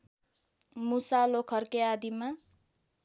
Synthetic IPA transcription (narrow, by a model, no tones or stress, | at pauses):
musalokʰʌrkead̪ima